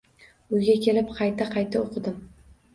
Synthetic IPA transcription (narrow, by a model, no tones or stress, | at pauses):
ʊjɡʲakʲʰe̞lɪpqʰɑjt̪ʰaqʰɑjt̪ʰaoqʰɨd̪ɪm